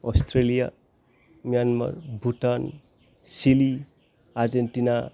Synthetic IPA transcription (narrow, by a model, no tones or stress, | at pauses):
ɔst̪ɾelija̰ | mjanma̰rbʱuʈan | sili | aɾd͡zenʈina